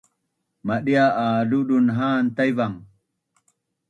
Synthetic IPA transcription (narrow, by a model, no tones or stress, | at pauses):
maɗijaaluɗunɦaːnt̪ɐjvaŋ